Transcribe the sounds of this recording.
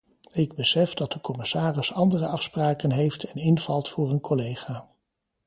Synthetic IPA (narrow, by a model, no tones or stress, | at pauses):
ɪɡbəsɛfdɑt̚dəkɔmɪsaːrɪsɑndərəɑfspraːkənɦejftʰɛnɪnv̥ɑlˠtfʊːrənkʰɔlejχaː